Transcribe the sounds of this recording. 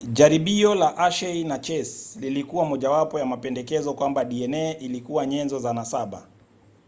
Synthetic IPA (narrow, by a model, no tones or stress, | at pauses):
ʄaɾiɓiɔlaʔaʃɛinat͡ʃɛslilikuwamɔʄawapɔjamapɛndɛkɛzɔkwambaɗiɛnɛʔilikuwaɲɛnzɔzanasaɓa̰